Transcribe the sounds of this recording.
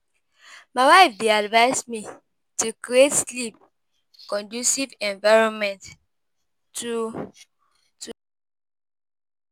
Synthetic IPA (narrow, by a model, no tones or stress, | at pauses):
maɪwaɪfdeadvaɪsmi | tukɹietslip̚ | kɔ̃ndusivɛ̃ɱvaɪɹɔ̃nmɛ̃nt | u